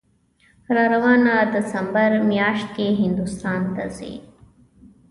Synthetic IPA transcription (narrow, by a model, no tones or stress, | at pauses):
ɾɑːɾawɑːnad̪ɪsɐmbəɾmjɑːʂt̪̚keɦɪnd̪ust̪ɑːnt̪azḛ